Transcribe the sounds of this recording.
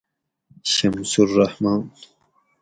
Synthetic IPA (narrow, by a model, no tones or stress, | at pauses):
ɕɐmsuɾːahmɑːn